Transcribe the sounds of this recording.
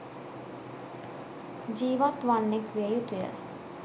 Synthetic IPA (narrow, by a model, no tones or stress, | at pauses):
d͡ʒiːʋat̪ʋanːekʋiejut̪ujə̰